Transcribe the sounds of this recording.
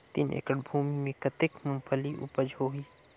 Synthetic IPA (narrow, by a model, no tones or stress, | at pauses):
t̪ḭnḛːkəɽbʱuːmimẽkɐt̪ɪkmʊ̃mpʰəliʔṵpəd͡ʒʱɦoːɦiː